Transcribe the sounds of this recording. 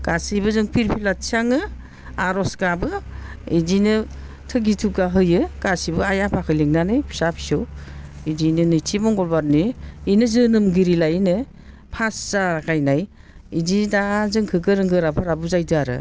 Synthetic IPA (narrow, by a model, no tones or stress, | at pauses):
ɡ̥asibɯzɯŋpʰiɾpʰilat̚sʰaŋɯ | aɾɔsɡabɯidinɯ | tʰɯɡitʰuɡaɦɯjɯɡ̥asibɯajapʰakʰɯliŋnanɯjpʰi̥sapʰsɯw | idinɯnɯtʰimɔŋɡɔlbaɾniinɯzɯnɯmɡiɾilajnɯ | pʰasz̥akʰajnaj | ididazɯŋkʰɯɡɯɾɯŋɡɯɾapʰaɾabuzajdɯaɾɯ̰